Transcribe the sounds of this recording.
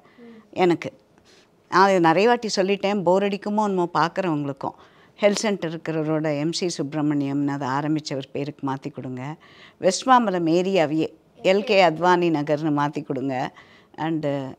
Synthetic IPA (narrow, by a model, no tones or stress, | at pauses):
ɛnɐkːɯ | nãːðɐnɪɾɐjɐʋaːʈːisɔlːɪʈːẽːboːɾɐɽɪkːɯmõːnɐmoːpaːɾkɯɾɐʋɐŋɡɐɭɯkːʊ̰̃ | hɛlʈsɛɳʈɐɾɪɾɯkːɪɾɐɾoːɽɐɛmsisʊbɾɐmɐnɪjɐmnaːðɐaːɾɐmbɪt͡ʃːɐʋɐɾpeːɾɯkːɯmaːt̪ikːɔɽɯŋɡɐ | ʋɛsʈʋaːmɐlɐmeːɾɪjaʋɪjeː | ɛlkeːɐd̪ʋaːninɐɡɐɾnɯmaːt̪ikːɔɽɯŋɡɐ | ɐɳɖ